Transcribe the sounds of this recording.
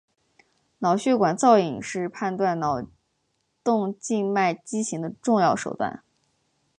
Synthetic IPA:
nɑ˨˩ʊɕɥɛ˥˩kwa˨˩nt͡sɑ˥˩ʊi˨˩ŋʂɻ̩˥˧pʰa˥˧nt̪wa˥˩nnɑ˨˩ʊ | t̪ʊ˥˧ŋt͡ɕi˥˧ŋma˥˩ɪt͡ɕi˥ɕi˧˥ŋd̪ə˧ʈ͡ʂʊ˥˧ŋjɑ˥˩ʊʂo˨˩ʊt̪wa̰˥˩n

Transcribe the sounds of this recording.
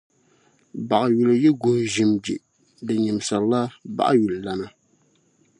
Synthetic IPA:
ba˨ʔa˨ɥu˨lɨ˨jɛ˦ɡu˦nʒi˨md͡ʒḭ˨ | dɨ˨ɲi˨m˨sa˨la˦ba̰˦ʔa˦ju˨lɨ˨la˦na˦

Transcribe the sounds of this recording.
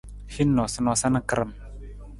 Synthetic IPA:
hi˦nːɔ˨sə˦nɔ˨sa˦nə˦kə˦ɾə˨m

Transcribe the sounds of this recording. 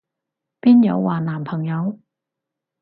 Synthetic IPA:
piː˥njɐ̰˨˧wwaː˨˩naː˨˩mpʰɐ˨˩ŋjɐ˨˧w

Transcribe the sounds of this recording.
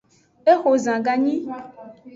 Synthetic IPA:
e˦xo˨zã˨ɡa˨ɲĩ˦

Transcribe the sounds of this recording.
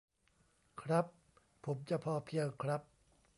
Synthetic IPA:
kʰɾa˦˥pʰː | o˩˦mt͡ɕa˧pʰɔː˧pʰi˧əwkʰɾa˦˥p̚

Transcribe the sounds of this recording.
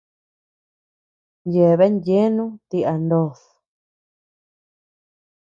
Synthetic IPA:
nje˨βe˦nje˦nũ˦t̪i˧ʔa˨nd̪o˧˨s

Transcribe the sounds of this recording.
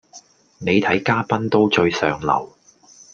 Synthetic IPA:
ne˨˧jt̪ʰɐ˨˥jkaː˥pɐ˥nt̪o˥wt͡ʃɵ˧ɥsœ̰ː˨ŋlɐ̰˨˩w

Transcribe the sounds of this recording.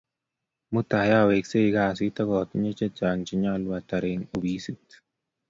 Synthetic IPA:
mu˦t̪a˨ja˦˨we˨kse˦˨˦ɡa˦˨sɪ˦t̪a˦ɡɔ˨t̪ɲe˦t͡ʃe˦d͡ʒa˨ŋt͡ʃi˨˦ɲa˦lwa˨t̪a˨ɾɪ˨ŋo˨bi˨˦si˦t̪

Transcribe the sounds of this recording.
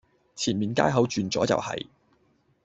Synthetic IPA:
t͡sʰiː˨˩nmiː˨˩nkaː˥jɦɐ˨˥wt͡ʃyː˨nt͡sɔː˨˥t͡sɐ̰˨whɐ̰˨j

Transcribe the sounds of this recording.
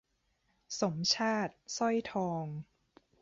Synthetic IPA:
so˩˦mt͡ɕʰaː˥˩t̪̚sɔ˥˩jt̪ʰɔː˧ŋ

